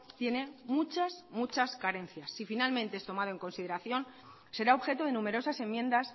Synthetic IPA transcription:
t̪je̞ne̞mut͡ʃasmut͡ʃaskaɾẽ̞n̟θjasːifinalmẽnt̪e̞est̪o̞mað̞oe̞ŋko̞nsiðe̞ɾaθjo̞n | se̞ɾao̞βxe̞t̪oðe̞nũme̞ɾo̞sase̞mːjẽ̞nd̪as

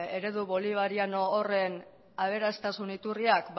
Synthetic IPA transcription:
e̞ɾe̞ðuβo̞liβ̞aɾiano̞ːre̞n | aβ̞e̞ɾast̪asunit̪uriakb

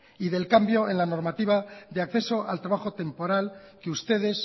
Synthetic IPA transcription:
iðe̞lkambjo̞e̞nlano̞ɾmat̪iβaðe̞akθe̞so̞ʔalt̪ɾaβaxo̞t̪e̞mpo̞ɾal | keust̪e̞ð̞e̞s

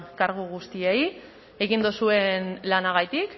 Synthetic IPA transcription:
kaɾɣuɣust̪iej | e̞ɣind̪usue̞nlanaɣ̞ajt̪ik

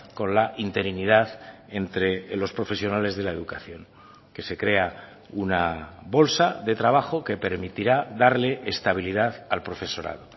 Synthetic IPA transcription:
ko̞nlaʔint̪e̞ɾiniðað | e̞nt̪ɾe̞lo̞spɾo̞fe̞sjo̞nale̞zð̞e̞lae̞ðukaθjo̞ŋ | ke̞se̞kɾe̞a | unaβo̞lsaðe̞t̪ɾaβ̞axo̞ke̞pe̞ɾmit̪iɾaðaɾle̞ʔːst̪aβ̞iliðaðalpɾo̞fe̞so̞ɾa̰ð̞o̞

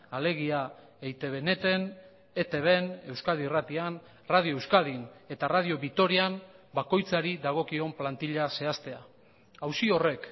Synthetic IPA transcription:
ale̞ɣ̞ia | ejt̪e̞βe̞ne̞t̪e̞n | et̪e̞βe̞ne̞wskaðirat̪ian | rað̞io̞ewskaðine̞t̪arað̞io̞βit̪o̞ɾiambako̞jt͡saɾiðaɣ̞o̞kio̞mplant̪iʎase̞ast̪e̞a | awsio̞re̞k

